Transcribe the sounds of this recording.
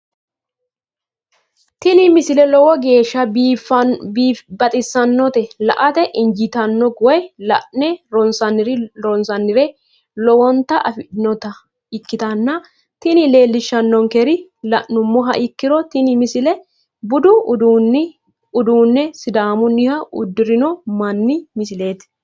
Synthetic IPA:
t̪ɪnɪmɪsɪlɛlɔwɔɡe̞ːʃːɐfː | bɐt̪ʼɪsːɐnːɔt̪ɛlɐʔɐt̪ɛʔɪnd͡ʒɪt̪ɐnːɔɡɔjlɐʔnɛɾɔnsɐnːɪɾɪɔnsɐnːɪɾɛ | lɔwɔnt̪ːɐʔɐfɪnɔt̪ɐ | ɪkːɪt̪ɐnːɐ | t̪ɪnɪle̞ːlːɪʃːɐnːɔŋkɛɾɪlɐnʊmːɔɦɐʔɪkːɪɾɔt̪ɪnɪmɪsɪlɛ | bʊd̪ʊd̪un | ʊd̪uːnːɛsɪd̪aːmʊnːɪhɐʔʊ̰d̪ːɪɾɪnɔmɐnːɪmɪs̬ɪle̞ːt̪

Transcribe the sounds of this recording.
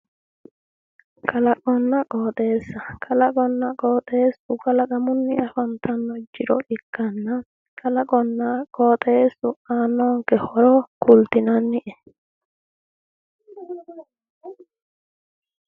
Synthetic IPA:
kʰɐlɐkʼɔnːɐkʼoːt̪ʼe̞ːsːɐkʰɐlɐkʼɔnːɐkʼoːt̪ʼeːsʊkʼɐlɐkʼɐmʊnːɪɐfɐnt̪ʰɐnːɔd͡ʒɪɾɔ̰ʔɪkːɐnːɐ | kʰʼɐlɐkʼɔnːakʼoːt̪ʼeːsʊaːnːoːŋkɛhɔɾoːkʰʊlt̪ɪnɐnːɪʔɛ

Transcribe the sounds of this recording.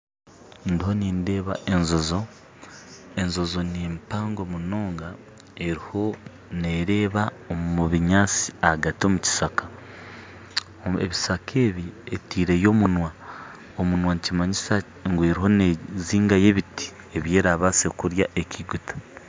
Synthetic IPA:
ndiho̞niːnde̞ːβa̰ʔe̞nzo̞zo̞ | e̞nzo̞zo̞nempaːŋɡo̞munoːŋɡa | e̞ɾiho̞ | neɾe̞ːβa | omuβiɲaːt͡si̥ahaɡatiomuci̥sakḁ | ḛβisakʰe̞ːβietiːɾe̞jo̞ːmunwa | omunwanicimaɲisa | ŋɡwe̞ɾiɦo̞neziːŋɡaje̞βiti̥ | e̞βje̞ːɾaβaːse̞kuɾja̰ʔe̞cʰiɡutʰḁ

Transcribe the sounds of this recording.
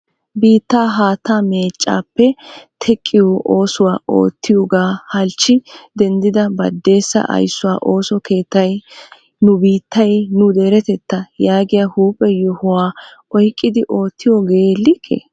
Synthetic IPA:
biːt̪ːaːɦaːt̪aːmeːt͡ʃʼːa̰ːpːɛt̪ʰɛkʼːɪjoʔoːsʊwaːʔo̰ːt̪ʰːɪjɔɡaːhɐlt͡ʃːɪd̪ɛnd̪ɪd̪ɐbɐ̰d̪ːe̞ːsːɐ̰ʔɐ̰jsːʊwaːʔo̞ːsɔke̞ːt̪ːɐj | nʊbiːt̪ːɐjnʊd̪eːɾɛt̪ɛt̪ːɐjaːɡɪjahuːpʼːɛjɔhʊwaːʔɔjkʼːɪd̪ɪʔo̞ːt̪ːɪjɔɡeːlːɪkʰːḛ

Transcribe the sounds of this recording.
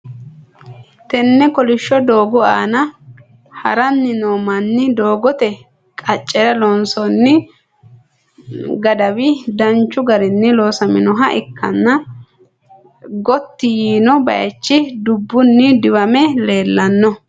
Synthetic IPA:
t̪ɛnːɛkɔlɪʃːɔd̪o̞ːɡʊaːnɐ | hɐ̰ɾɐnːɪnoːmɐnːɪd̪o̞ːɡɔt̪ɛ | kʼɐt͡ʃʼːɛɾɐlɔnsɔnːɪ | ɡɐd̪ɐwɪd̪ɐnt͡ʃːʊɡɐɾɪnːɪlo̞ːsɐmɪnɔɦɐʔɪkːɐ̰nːɐ | ɡɔt̪ːɪjiːnɔbɐ̰jɐ̰t͡ʃːɪd̪ʊbːʊnːɪd̪ɪwɐmɛle̞ːlːɐnːɔ

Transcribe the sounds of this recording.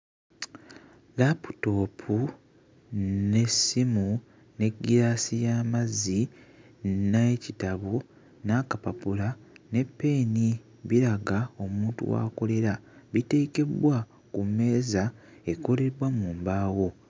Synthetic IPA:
lapu̥to̞ːpʰu | ne̞simu | ne̞ɡːiɾaːsijaːmazi | naecitaβo | nakapapulane̞pːe̞ːni | βiɾaɡao̞muːntṵwa̰ːko̞le̞ɾaβite̞ːke̞bwa | kumːe̞ːzae̞ko̞le̞ɾwamuːmbaːwo̞

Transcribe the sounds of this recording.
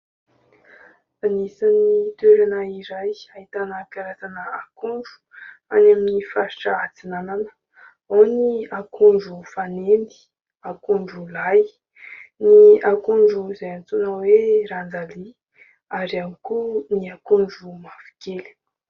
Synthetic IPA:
anisanit̪weɾanaiɾajaɦit̪anəkaɾasanəakuɳɖ͡ʐu̥anaminifaɾiʈ͡ʂaat͡sinananə̥ | oniakʰuɳɖ͡ʐufanend̪i̥ | akuɳɖ͡ʐulaj | niakuɳɖ͡ʐuzajant͡sunaweɾand͡zali | aɾiamikuniakuɳɖ͡ʐumafi̥keli̥

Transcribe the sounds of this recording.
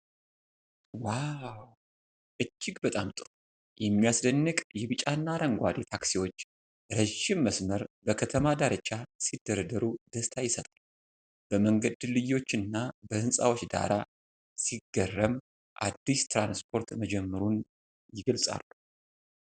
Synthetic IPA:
waw | ʔɨt͡ʃːɪɡbət̪ʼamt̪ʼɨɾ | jɛmːijasd̪ənːɨkʼjɛβɨt͡ʃʼanːaɾəŋɡʷad̪et̪ʰaksiwo̞t͡ʃː | ɾəʒɪmːəsməɾbəkʰət̪ʰəmad̪aɾət͡ʃʼːasid̪ːəɾəd̪əɾud̪̥əst̪ʰajɪsət̪ʼal | b̥əməŋɡəd̪lɨjːo̞t͡ʃːɨnːabəhɨnsʼa̰wo̞t͡ʃːd̪a̰ɾa | siɡːərːəm | ʔa̰d̪ːist̪ʰɾanspʰo̞ɾt̪məd͡ʒɛmːəɾun | jɪɡəlsʼa̰lːu

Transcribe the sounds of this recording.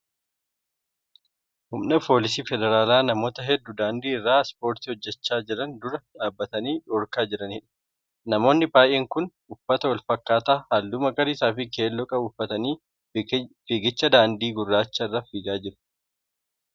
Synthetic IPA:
hʊmnɐpʰo̞ːlɪs̬iːfɛd̪ɛɾaːlaːnɐmo̞ːt̪ɐɦɛd̪ːʊd̪aːnd̪iːɪrːaːspo̞ːɾt̪ihɔd͡ʒːɛt͡ʃːaːd͡ʒɪɾɐnd̪ʊɾɐᶑaːbːɐt̪ɐniːᶑɔːɾkaːd͡ʒɪɾɐniːᶑɐ̥ | nɐmo̞ːnːɪbaːjʔeːŋkʊnʔʊfːɐt̪ɐwɐlfɐkːaːt̪aːhɐld̪ʊmɐɡɐɾɪsaːfɪke̞ːlːɔkʼɐʊfːɐt̪ɐniː | fiːɡɪt͡ʃːɐd̪aːnd̪iːɡʊrːaːt͡ʃːɐɪrːɐfɪd͡ʒaːd͡ʒɪɾɐ̥

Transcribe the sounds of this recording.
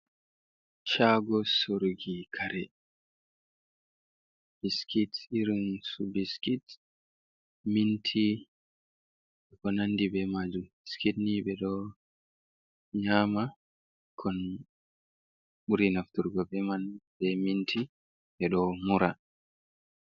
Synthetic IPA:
t͡ʃaɡɔsuɾɡikʰaɾɛ | b̥iskitiɾinsubiskit | mintʰi | ɛkɔnanːdibɛmad͡ʒumiskitnibɛɗɔ | ɲaːma | kʰɔn | ɓuɾinaftuɾɡɔbɛmanbɛmintʰi | ɓɛɗɔmuɾa

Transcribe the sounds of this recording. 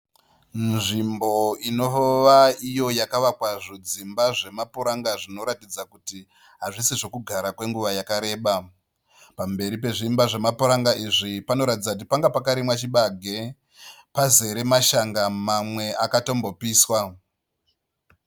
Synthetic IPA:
nʐimbo̞ino̞oʋaijo̞jakaʋakwaʐod͡zimbaʐe̞mapuɾaŋɡaʐino̞ɾatid͡zakuti | ɦaʐisiʐo̞kuɡʱaɾakwe̞ŋɡuʋajakaɾe̞ːɓa | pambe̞ɾip̬e̞ʐimbaʐe̞mapuɾaŋɡaʔiʐipano̞ɾatid͡zakut̬ipaŋɡapakaɾimwat͡ʃiɓaɡʱe̞ | paze̞ɾe̞maʃaŋɡamamwe̞akato̞mbo̞piːswa

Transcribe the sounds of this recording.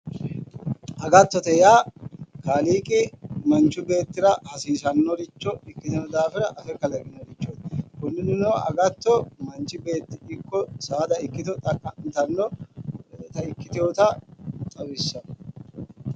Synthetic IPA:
ɐɡɐt̪ːɔt̪ɛjaːkaːliːkʼɪmɐnt͡ʃːʊbe̞ːt̪ːɪɾɐʔɐsiːsɐnːɔɾɪt͡ʃːɔɪkːɪt̪ɐnɔd̪aːfɪɾɐʔɐfɛkɐlɐkʼɪnɔɾɪt͡ʃːoːt̪kʊnːɪnɪnoːɐ̰ɡɐt̪ːɔmɐnt͡ʃːɪbe̞ːt̪ːɪɪkːɔsaːd̪ɐɪkːɪt̪ɔt̪ʼɐkʼːɐnt̪ɐnːɔ | t̪ɐɪkːɪt̪ɪjoːt̪ɐt̪ʼɐwɪsːɐn

